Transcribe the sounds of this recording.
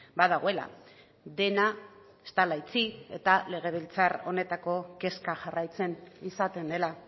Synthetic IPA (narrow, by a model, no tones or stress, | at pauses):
baðaɣ̞o̞e̞la̰ | d̪e̞na | est̪alajt͡sie̞̰t̪ale̞ɣ̞e̞β̞ilt͡saro̞ne̞t̪ako̞ke̞skaʝarajt͡se̞nisat̪e̞nd̪e̞la